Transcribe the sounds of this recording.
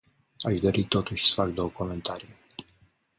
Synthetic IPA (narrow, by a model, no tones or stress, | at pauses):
aʃd̪o̞ɾit̪o̞t̪uʃʲsə̥fak̚d̪owəkoment̪ʰaɾij